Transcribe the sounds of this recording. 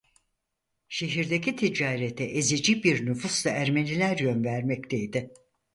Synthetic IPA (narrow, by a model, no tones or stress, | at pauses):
ʃe̞ɦiɾd̪e̞cʰit̪ʰid͡ʒaːɾet̪ʰɛʔezid͡ʒibiɾnyfuslˠaʔæɾme̞nilʲæɾjønvæɾmɛct̪ʰejd̪ɪ